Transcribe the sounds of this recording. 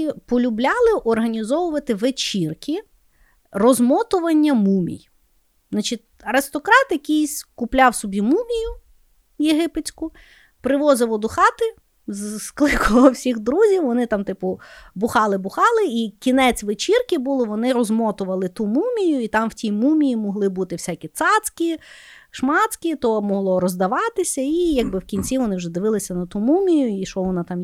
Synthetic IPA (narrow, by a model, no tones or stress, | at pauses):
pɔlʲʊblʲɑlˠɪʔɔrɦɐnʲizɔʋʊʋɐt̪ɪʋet͡ʃirkʲi | rɔzmɔt̪ʊʋɐnʲːɐmumʲḭj̪ | nɑt͡ʃɪt̚ʲ | ɐɾɪst̪ɔkɾɑt̪jɐkʲijsʲkʊplʲɑwsɔbʲimumʲijʊ | jeɦɪpet͡sʲkʊ | pɾɪʋɔzɪʋɔd̪ɔxɑt̪ɪ | zsklˠɪkʰʊlˠɔwsʲiɣd̪ɾuzʲiwʋɔnɪt̪ɑmt̪ɪpʊbʊxɑlˠɪbʊxɑlˠɪikʲinɛt͡sʲʋɪt͡ʃirkʲɪbulˠɪʋɔnɪɾɔzmɔt̪ʊʋɐlˠɪt̪umumʲijʊit̪ɑmwtʲimumʲijimɔɦlˠɪbut̪ɪwsʲakʲit̪sɑsʲkʲiʃmɑtt͡s̪ʲkʲit̪ɔmɔɦlˠɔɾɔzd̪ɐʋɑt̪ɪsʲɐijɐɡ̚bɪwkʲinʲt͡sʲiʋɔnɪwʒɛd̪ɪʋɪlˠɪsʲɐnɐt̪umumʲijʊiʃɔʋɔnɑt̪ɑm